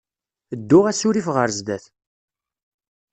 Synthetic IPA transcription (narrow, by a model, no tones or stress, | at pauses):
əd̪ːʊʁæsʊɾifʁəɾzd̪æθ